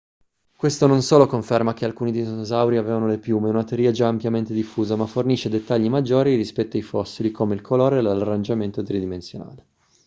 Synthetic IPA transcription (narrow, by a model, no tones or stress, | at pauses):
kwest̪ononsoːlokoɱfermak̟ealkuːnid̪ejznozawɾiaveːvanolepjuːmeunat̪eɾiːad͡ʒaːmpjament̪ed̪ifːuːzamafːorniʃed̪et̪ːaʎːimad͡ʒːoːɾiɾispɛt̪ːoajfɔsːilikʰomeilkʰoloːɾelalarːand͡ʒament̪ot̪ɾid̪imensjona̰ːle